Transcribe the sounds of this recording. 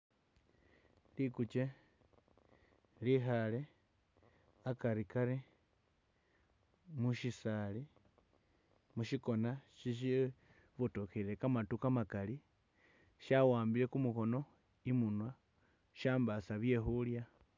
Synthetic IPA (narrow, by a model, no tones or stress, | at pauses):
likut͡ʃe̞ | lixale | akaɾikaɾe | muʃisali | muʃiko̞naʃiʃ̬i | βutokeɾe̞kamatukamakali | ʃawaːmbiɾe̞kumuko̞no̞ | imunwa | ʃaːmbasaβje̞xulja